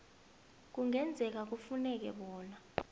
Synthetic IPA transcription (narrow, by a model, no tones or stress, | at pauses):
k̬uŋɛnd͡zʱɛk̬ak̬ufunɛk̬ɛ̰ɓɔːna